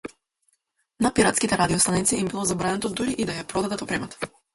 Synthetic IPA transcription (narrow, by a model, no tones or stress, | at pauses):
napiɾat̪skit̪ɛɾad̪iɔst̪anit̪siimbilˠɔzabɾanɛt̪ɔd̪uɾiʔid̪ajapɾɔd̪ad̪at̪ɔpɾɛmɛt̪ɔ̥